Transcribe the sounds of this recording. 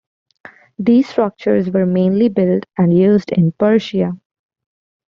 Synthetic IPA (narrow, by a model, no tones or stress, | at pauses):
d̪iːzsʈɾʌk̚t͡ʃəɾzʋəɾmẽːnlibɪlʈæ̃ɳɖjuːzɖɪ̰̃npəɾʃia